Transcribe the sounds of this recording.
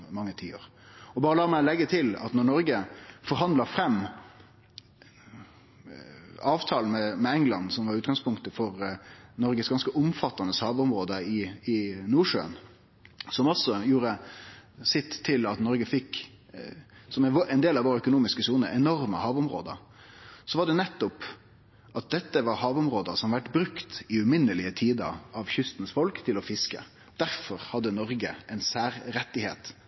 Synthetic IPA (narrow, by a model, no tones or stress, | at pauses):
mɑŋːət̪ʰḭːo̰ːɾ | ɔbɑːɾəlɑːɾmæɪlɛɡːət̪ʰɪlɑ̰t̪nɔɳɔɾɡəfɔɾɦɑnd̪lɑɾfɾɛmː | ɑːʋt̪ʰɑːln̩mɛmɛɛŋlɑ̰nːsɔmʋɑɾʉːt̪ɡɑŋspʰʊŋkt̪əfɔɾnɔɾɡəsɡɑnskəʔʊmfɑt̪ːɑnəshɑːʋʊmɾoːd̪əɪɪnuːʂø̰ːn | sɔmɔsɔjuːɾə | sɪt̪ʰːɪlɑt̪nɔɾɡəfɪk | sɔmɛnd̪eːlɑʋoːɾəœkʊnuːmɪskəsuːnəɾɛnɔɾməhɑːʋʊmɾo̰ːd̪ə̰ɾ | sɔʋɑɖɛnɛt̪ːʊp | ʔɑt̪̚d̪ɛt̪ːəʋɑɾhɑːʋʊmɾoːd̪əsɔmʋæʈbɾʉkt̪ɪʉmɪnːəlɪət̪ʰiːd̪ə̰ɾɑʋçʏst̪n̩sfɔlkt̪ʰɪlɔfɪskə̰ | d̪̥æɾfɔɾhɑd̪ːənɔɾɡəʔɛnsæːɾɾɛt̪ːɪhḛːt̪